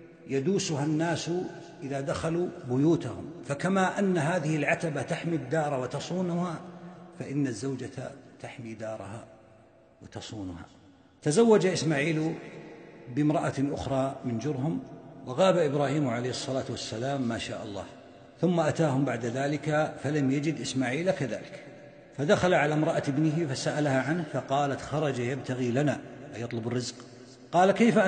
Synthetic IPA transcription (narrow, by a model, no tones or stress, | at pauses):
jad̪uːsʊɦanːaːs | ʔɪðaːd̪axaluːbʊjuːt̪ahʊ̰mfakamaːʔanːaɦaːðɪhɪlʕat̪abat̪aħmid̪ːɑːɾˤɑwat̪ɑsˤuːnʊhafaʔɪnːazːawd͡ʒatt̪aħmiːd̪ɑːɾˤɑha̰ | wɪt̪ɑsˤuːnʊha̰ː | t̪azawːad͡ʒaʔɪsmaːʕiːl | bɪmɾˤɑʔaʔʊ̰xɾˤɑːmɪnd͡ʒʊɾɦʊmwɪɣɑːbaʔɪbɾˤaːhiːmʕalejhɨsˤːɑlaːt̪wasːalaːmːaːʃa̰ːʔɑ̰lˤːɑ̰ːh | θʊmːaʔat̪aːhʊmbaʕd̪aðaːlɪkafalamjad͡ʒɪd̪ʔɪsmaːʕiːlakaða̰ːlɪk | fad̪axalaʕalamɾˤɑʔaɪbnɪɦɪfasaʔalahaʕanhfɑqɑːlat̪xɑɾˤɑd͡ʒajabt̪ʰaɣilanaajɑt̪ˤlʊbɪrːɪzq | qɑːlakajfa